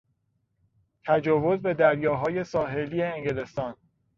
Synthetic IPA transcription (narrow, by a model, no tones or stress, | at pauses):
t̪ʰæd͡ʒɒːvo̞zbe̞d̪æɾjɒːɦɒːje̞sɒːɦe̞liːeeŋɡele̞st̪ɒːn